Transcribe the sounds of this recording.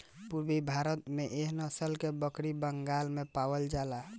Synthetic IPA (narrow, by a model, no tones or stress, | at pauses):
puɾbibʱaɾət̪meʔeɦnəsəlkebəkɾibəŋɡalmepawəld͡ʒala